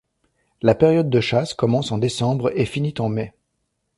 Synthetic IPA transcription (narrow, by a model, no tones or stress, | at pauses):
lapeʁjɔd̪̚ːəʃaskɔmɑ̃sɑ̃d̪esɑ̃bʁefinit̪ɑ̃mɛ